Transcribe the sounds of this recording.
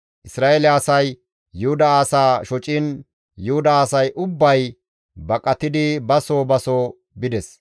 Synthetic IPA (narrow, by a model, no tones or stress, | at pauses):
ʔɪsɾaːelɪaːsɐj | jʊhʊd̪ɐaːsaːʃɔt͡ʃʼɪn | jʊhʊd̪ɐaːsɐjʔʊbːɐj | bɐkʼɐt̪ɪd̪ɪbɐsoːbɐsoː | bɪd̪ɛs